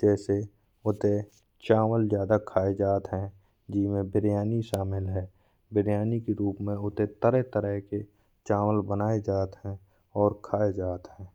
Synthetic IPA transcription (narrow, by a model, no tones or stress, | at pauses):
d͡ʒɛːse | ʊt̪e | t͡ʃaːʋəlzjaːd̪akʰaːed͡ʒaːt̪ɦɛ̃ | d͡ʒɪsmẽbɪɾjaːniʃaːmɪlɦɛː | bɪɾjaːnikeɾuːpmẽʊt̪et̪əɾət̪əɾəɦke | t͡ʃaːʋəlbənaːed͡ʒaːt̪ɦɛ̃ | ɔːɾkʰaːed͡ʒaːt̪ɦɛ̃ː